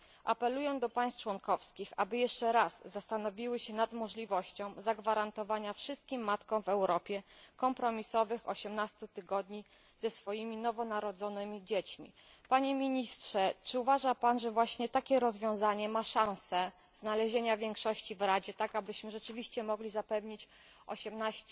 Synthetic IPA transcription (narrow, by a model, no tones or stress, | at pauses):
ʔa̰pɛlujɛ̃d̪ɔpaj̃st̪̚t͡ʂwɔŋkɔfskʲixa̰bɘjɛʂt͡ʂɛɾazːast̪anɔvʲiwɘɕɛnad̪mɔʐlʲivɔɕt͡ɕɔ̃w̃zaɡvaɾant̪ɔvaɲafʂɘst̪̚kʲimːat̪kɔ̃w̃vɛwɾɔpʲjɛkɔmpɾɔmʲisɔvɘxɔ̰ɕɛmnast̪ut̪ɘɡɔd̪ɲi | z̥ɛsfɔjimʲinɔvɔnaɾɔd̪zɔnɘmʲid͡ʑet͡ɕmʲḭ | paɲɛmʲiɲistʂɛt͡ʂɘuvaʐapanʐɛvwaɕɲɛt̪akʲɛɾɔzvʲjɔ̃w̃zaɲɛmaʂãw̃sɛ | znalɛʑeɲavʲjɛŋkʂɔɕt͡ɕivɾad͡ʑɛt̪akabɘɕmɘʐɛt͡ʂɘvʲiɕt͡ɕɛmɔɡlʲizapɛvɲit͡ɕ | ɔ̰ɕɛmnaɕ